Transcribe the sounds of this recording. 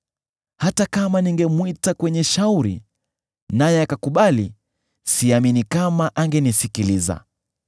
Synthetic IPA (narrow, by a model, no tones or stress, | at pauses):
hatakamaniŋɡɛmwitakwɛɲɛʃauɾḭ | najɛakakuɓali | siaminikamaʔaŋɡɛnisikiliza̰